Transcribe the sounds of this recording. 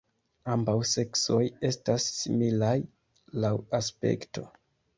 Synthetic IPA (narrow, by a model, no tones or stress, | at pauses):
ambawse̞kso̞je̞stasːimilaj | lawaspe̞̰kto̞̰